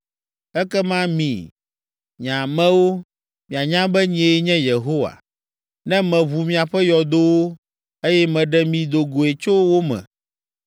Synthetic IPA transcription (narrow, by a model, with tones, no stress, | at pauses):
ɛ˦kɛ˦mã˦mĩ˨ | ɲã˨mɛ̃˦wo˦ | mĩ˨a˨ɲã˦bɛ˦ɲ˦e˨˦ɲɛ̃˦je˨ɦo˦wa̰˨ | nɛ̃˦mɛ̃˨βu˨mĩ˨a˨ɸɛ˦jɔ˨d̪o˦wo˦ | e˦jɛ˦mɛ̃˨ɖɛ˦mĩ˨d̪o˨ɡo˨e˨t͡ʃo˦wo˦mɛ̰̃˨